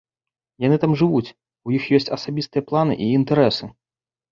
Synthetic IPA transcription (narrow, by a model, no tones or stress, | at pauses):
janɨt̪amʐɨvut͡sʲ | ujixjɔsʲt͡sʲɐsabʲist̪ɨjɐplˠanɨ̰ʔiːnt̪ɛɾɛsɨ